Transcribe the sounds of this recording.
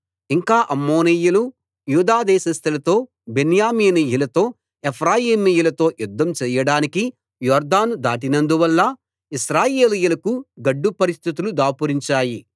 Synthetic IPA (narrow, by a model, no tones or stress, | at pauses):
iŋkaːʔɐmːoːnijulu | juːd̪aːd̪ɛːʃɐst̪ʰɐlɐt̪o̞ː | benjaːmiːnijulɐt̪o̞ː | epʰɾaːjiːmijulɐt̪o̞ːjud̪ʱːɐmt͡ʃɛːjɐɽaːniki | jɔːɾd̪aːnud̪aːʈ̬inɐnd̪uʋɐlːɐ | iʃɾaːjeːlijulɐkuɡɐɖːupɐɾist̪ʰit̪ulud̪aːpuɾiɲt͡ʃaːji